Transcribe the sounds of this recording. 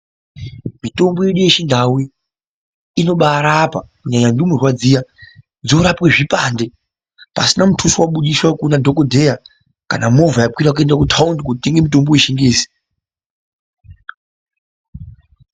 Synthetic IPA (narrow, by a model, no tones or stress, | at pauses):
mito̞mbojeɗujeʃindʱawiː | no̞ɓaɾapakuɲaɲandumurwad͡ziːja | d͡zo̞ɾapweʐipaːnde | pa̰sinamutʰusuwaɓuɗiswakunadʱokodʱeja | kanamo̞vajapwiɾak̬uendakutʰaundikutitiŋɡemitomboiʃiŋɡeːsi̥